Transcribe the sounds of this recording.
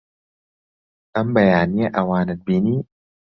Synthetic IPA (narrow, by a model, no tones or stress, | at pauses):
ʔɐmbɐjaːnijɐʔɐwaːnɨt̪̚biːniː